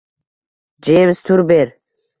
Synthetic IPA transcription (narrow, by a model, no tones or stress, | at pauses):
d͡ʒemst̪ʰuɾbeɾ